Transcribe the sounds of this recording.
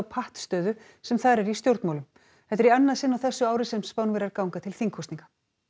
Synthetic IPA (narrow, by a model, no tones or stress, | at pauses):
wpʰaht̪st̪œːðʏ | sɛmθaðɾɛɾist̪jowɾt̪maːwlʏm | hɛht̪ːɾianːaðsɪnːawθɛsːʏaːwɾɪsɛmspawnvɛɾaɾkawŋkat̪ʰɪlθiŋkʰɔst̪iŋkḁ